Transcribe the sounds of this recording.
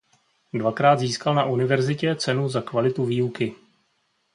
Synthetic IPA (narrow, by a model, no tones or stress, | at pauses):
dvakɾaːd̪ziːskalnaʔunɪvɛɾzɪcɛt͡sɛnuzakvalɪt̪uviːukɪ